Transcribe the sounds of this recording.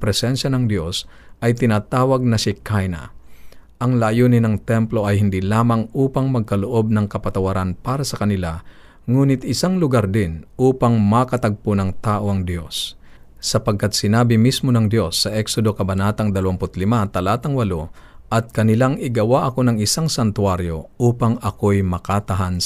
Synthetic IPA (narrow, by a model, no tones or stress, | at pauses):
pɾɛsɛnʃɐnɐŋd̪jo̞sʔɐjt̪ɪnaːt̪aːwɐɡ̚nɐsɪkʰajnɐ̰ | ʔɐŋlajuːnɪnɐŋt̪ɛmplo̞ʔɐjhɪnd̪ilaːmɐŋʔuːpɐŋmɐɡ̚kɐloʔo̞b̚nɐŋkɐpɐt̪ɐwɐɾanpaːɾɐsɐkɐnɪla | ŋuːnɪt̪ɪsaŋlʊɡaɾd̪ɪnʔuːpɐŋmɐkɐt̪ɐɡ̚ponɐŋt̪aːʔo̞ɐŋd̪jo̞sː | ɐpɐɡ̚kat̪̚sɪnaːbɪmismo̞nɐŋd̪jo̞sːɐʔɛksod̪o̞kɐbɐnaːt̪ɐŋd̪ɐlɐwampʊt̪lɪmat̪ɐlaːt̪ɐŋwɐlo | ʔɐt̪̚kɐnɪlaŋʔɪɡɐwaʔɐko̞nɐŋɪsaŋsɐnt̪ʊwaɾjo̞uːpɐŋɐkojmɐkat̪ɐɦan